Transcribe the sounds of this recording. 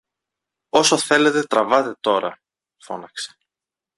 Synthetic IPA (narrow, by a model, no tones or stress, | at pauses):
o̞soθe̞le̞t̪e̞t̪ɾɐvɐt̪e̞t̪o̞ɾɐ̰ | fo̞̰nɐkse̥